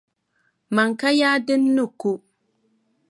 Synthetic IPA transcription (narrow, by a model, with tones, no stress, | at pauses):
ma˨ŋ˨ka˦jaː˦dɪ˦nː˦u˦˨ku˦